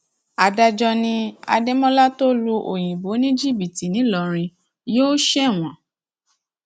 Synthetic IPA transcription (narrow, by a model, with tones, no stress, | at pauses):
a˨da˧d͡ʒɔ˧nĩ˧a̰˧de˦mɔ̃˦la˦to˦lu˧ʔo˨j̃ĩ˨bo˨˦nĩ˦d͡ʒi˦˨bi˨ti˨nĩ˨˦lɔ˨ɾ̃ĩ˧ | joː˦ʃɛ˦˨w̃ɔ̃˨